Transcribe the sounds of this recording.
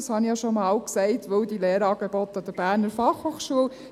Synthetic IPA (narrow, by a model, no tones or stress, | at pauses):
ɑshɑnijɑʃomɑːlksɛɪtʋəwdileːɾɑːɡ̥ebɔt̪ɑd̪̥əɾb̥æːɾnəɾfɑχhoːχʃuəl